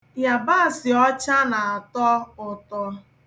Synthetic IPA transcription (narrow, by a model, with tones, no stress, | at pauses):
ja˨ba˦˨sɪ˨ɔ˦t͡ʃa˦na˨a˨tɔ˦ʊ˨tɔ˨